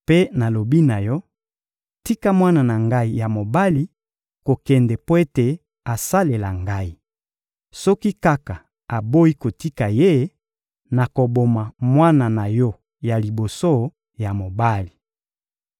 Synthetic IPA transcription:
pe˦na˨lo˨bi˦na˨jɔ˦ | ti˦ka˦mwa˦na˨na˨ŋɡa˦i˨ja˨mo˨ba˦li˨˦ | ko˨kɛ˨ndɛ˨po˦e˦te˨ | a˨sa˦le˨la˨ŋɡa˦i˨ | sɔ˦ki˦ka˦ka˨ | a˨bo˦i˦ko˨ti˦ka˨je˦ | na˨ko˨bo˨ma˨mwa˦na˨na˨jɔ˦ | ja˨li˨bo˨so˦ | ja˨mo˨ba˦li˨

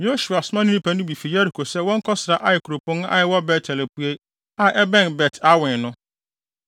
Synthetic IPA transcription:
jo˦ɕu˨a˨sʊ˦mã˦nĩ˦ĩ˦pʰa˨nʊ̃˦bi˨fi˨ja˦ɾi˨kʰo˨sɛ˦wɔ̃˦ŋ̩˦kʰɔ˦sɾa˨ʔa˦ɪ˨kʰu˨ɾo˨pʊ̃˦n˦a̰˦jɪ˨wɔ˦bɛ˨tʰɛ˨le˨pu˦e˦ | a˨ʔɛ˦bɛ̃˦˨nbɛ˨tʰa˦wɪ̃˨nʊ̃˦

